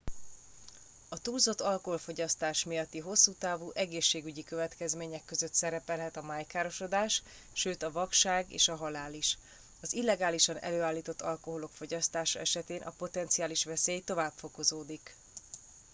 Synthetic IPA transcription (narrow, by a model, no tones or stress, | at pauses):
ɒt̪uːlzo̞t̪ːɒlko̞ɦo̞lfo̞ɟɒst̪aːʃmijɒt̪ːiɦo̞sːuːt̪aːvuːʔɛɡeːʃːeːɡyɟikø̞vɛt̪kɛzmeːɲɛkːø̞zø̞t̪sɛɾɛpɛlɦɛt̪ɒmaːjkaːɾo̞ʃo̞d̪aːʃ | ʃøːt̪ɒvɒkʃaːɡḛːʃɒɦɒlaːliʃ | ɒzilːɛɡaːliʃɒnɛ̰løːaːlːiːt̪o̞t̪ːɒlko̞ɦo̞lo̞kfo̞ɟɒst̪aːʃɒ̰ɛʃɛt̪eːnʔɒ̰po̞t̪ɛnt̪siaːliʃʋɛseːjt̪o̞vaːbfo̞ko̞zoːd̪ik